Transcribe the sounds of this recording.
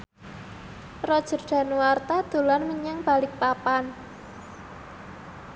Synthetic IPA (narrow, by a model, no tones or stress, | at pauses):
rɔd̥ʒ̥ə̤rd̥a̤nwart̪ad̪̥o̤lanməɲaŋb̥a̤lɪk̚papan